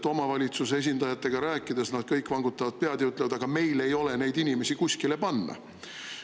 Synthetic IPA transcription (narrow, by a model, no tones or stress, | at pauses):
t̪ːo̞mɑvɑlʲit̪suse̞s̬ʲind̪ɑjɑt̪ːˑe̞ɡ̥ɑɾæːkːˑid̪̥esnɑd̪̥kɤjkːˑvɑŋɡut̪ːˑɑvɑd̪̥̚peɑd̪eyt̪levɑd̪ɑɡ̥ɑme̞jle̞jo̞le̞ne̞jd̪inʲime̞sikusʲkile̞pɑnːɑ̰